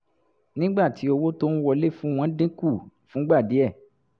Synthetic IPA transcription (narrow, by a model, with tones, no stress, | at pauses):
nĩ˦ɡ͡ba˦˨ti˨˦o˧wo˦to˦n̩˦wɔ˧˦le˦fũ˦w̃ɔ̃˦dĩ˦ku˦˨fũ˨˦ɡ͡ba˦˨di˨˦ɛ˦˨